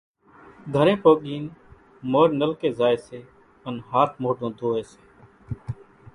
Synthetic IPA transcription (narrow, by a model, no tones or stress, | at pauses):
ɡʱəɾẽːpoːɠiːn | moːɾnəlkeːzaːeːseː | ənɦaːt̪̚ʰmoːɖõːd̪ʱoːeːse̥ː